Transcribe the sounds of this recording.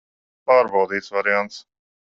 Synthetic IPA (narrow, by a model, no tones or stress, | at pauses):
paːɾbawd̪iːt̪svaɾɪant̪s